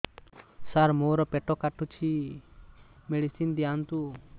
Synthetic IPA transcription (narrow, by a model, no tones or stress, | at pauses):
saɾmoɾɔpɛʈɔkaʈut͡ʃʰi | meɽisind̪ijant̪u